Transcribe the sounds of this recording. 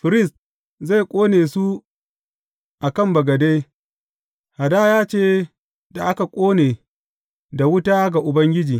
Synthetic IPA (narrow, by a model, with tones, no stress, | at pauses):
ɸɪ˨ɾɪ˦˨st | za˦˨jkʷʼoː˦neː˨su˦ | ʔa˨kɐ˦mbɐ˨ɡɐ˨de˦j | ha˨daː˦jaː˦t͡ʃeː˦ | da˨ʔa˦ka˨kʷʼoː˦neː˨ | da˨wʊ˦taː˦ɡa˨ʔʊ˨bɐ˦ŋɡʲɪ˦d͡ʒiː˨